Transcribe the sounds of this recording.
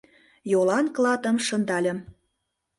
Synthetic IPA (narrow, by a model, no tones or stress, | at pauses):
jolɑnklɑt̪ə̆mʃɤ̆nd̪ɑlʲə̆m